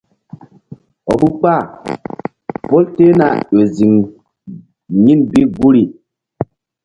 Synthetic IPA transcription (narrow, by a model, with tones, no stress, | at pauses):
ɔ̰˨bu˦k͡pa˦˨ | po˦lte˦na̰˨jo˨zi˨ŋ | ɲi˦nbi˦ɡu˦ɾi˨